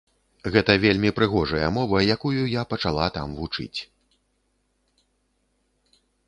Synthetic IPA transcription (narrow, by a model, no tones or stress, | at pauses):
ɣɛt̪ɐvʲelʲmʲipɾɨɣɔʐɐjɐ̰mɔvɐjakujujapɐt͡ʂalˠat̪a̰mvut͡ʂɨ̰t͡sʲ